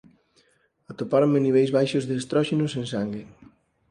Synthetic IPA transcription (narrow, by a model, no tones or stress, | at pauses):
at̪opaɾomeniβ̞ɛjzβajʃʊzðeast̪ɾɔʃenoseŋsaŋɡe